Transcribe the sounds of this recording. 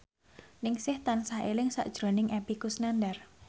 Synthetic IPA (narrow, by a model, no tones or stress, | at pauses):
nɪŋsɪht̪ansaɦelɪŋsa̰ʔd̥ʒ̥ɾo̤nɪŋʔepikusnandar